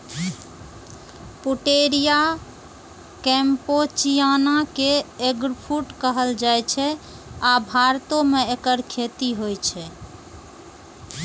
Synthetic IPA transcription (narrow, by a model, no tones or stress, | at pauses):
puʈeɾija | kɛ̃mpot͡ʃijanakeeɡɾpʰuʈkəɦəld͡ʒajt͡ʃʰɛ | abʱaɾt̪omeekəɾkʰet̪iɦojt͡ʃʰɛ